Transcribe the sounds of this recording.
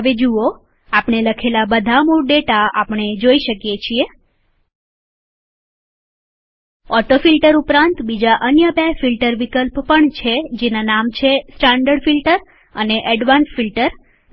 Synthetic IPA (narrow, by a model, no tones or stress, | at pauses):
ɦəʋed͡ʒuo | apɳeləkʰelabəd̪ʱamoɾɖeʈaapɳ̃ed͡ʒoiʃəkjet͡ʃʰie | ɔʈofilʈəɾupɾãnt̪bid͡ʒaʔənjəbefilʈəɾʋikəlppəɳt͡ʃʰed͡ʒenanamt͡ʃʰesʈaɳɖəɖfilʈəɾ | əneʔɛɖʋansfilʈəɾ